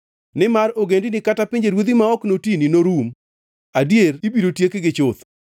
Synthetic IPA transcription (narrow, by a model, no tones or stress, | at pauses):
nɪmaɾoɡendɪnɪkatapiɲd͡ʒeɾwod̪imaɔknotininoɾum | adjeribiɾotjekɡɪt͡ʃʊt̪